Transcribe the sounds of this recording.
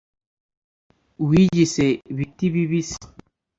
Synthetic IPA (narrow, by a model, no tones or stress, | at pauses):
wid͡ʒiseβitiβiβis